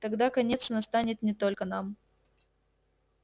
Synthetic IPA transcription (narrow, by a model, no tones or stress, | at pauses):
t̪ɐɡd̪akɐnʲe̞t̪snɐst̪anʲɪt̪nʲɪt̪o̞lʲkənam